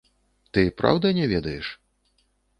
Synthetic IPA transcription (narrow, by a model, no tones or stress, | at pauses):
t̪ɨpɾa̰wd̪ɐnʲɛvʲɛd̪ɐjɛʂ